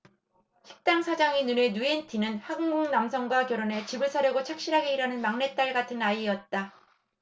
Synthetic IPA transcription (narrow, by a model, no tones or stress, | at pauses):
ɕi̥k̚t͈aŋsʰad͡ʑaŋinune̞nuentʰinɯnhaɡɯŋɡuŋnamsʰʌŋɡwakjʌɾone̞t͡ɕibɯɭsʰaɾjʌɡot͡ɕʰak̚ɕ͈iɾɦaɡe̞iɾanɯnmaŋne̞t͈aɭɡatʰɯnaiːʌt̚t͈a